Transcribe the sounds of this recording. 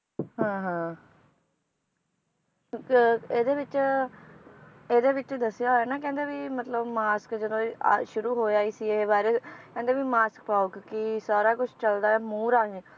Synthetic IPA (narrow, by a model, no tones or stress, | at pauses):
ɦãːɦãː | eːd̪eːʋɪt͡ʃ | eːd̪eːʋɪt͡ʃd̪əsːɪjaːɦoɛːnaːkɛ̃ːnd̪eːʋiːmət̪ləbmaːskd͡ʒəd̪õːʃʊɾuːɦoːaːiːsiːeːbaːɾeːkɛ̃nd̪eːbiːmaːsk̚paːokkɪsaːɾaːkʊt͡ʃʰt͡ʃəld̪aːɛːmuːɾaːniː